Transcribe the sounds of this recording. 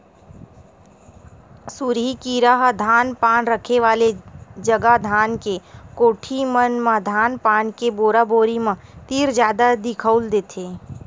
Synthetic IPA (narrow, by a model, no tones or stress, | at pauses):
suɾɦikiːɾaɦd̪ʱaːnpaːnɾəkʰeʋaːled͡ʒəɡad̪ʱaːnkekoːʈʰimənmãd̪ʱaːnpaːnkeboːɾaboːɾimãt̪iːɾd͡ʒjaːd̪ad̪ɪkʰəʊld̪eːt̪ʰeː